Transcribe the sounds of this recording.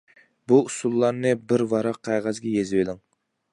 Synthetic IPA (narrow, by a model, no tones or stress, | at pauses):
buusulˠːɑɾnɨbɪɾwɑɾɑqʰːæʁæzɡʲɛjezwelˠɪŋ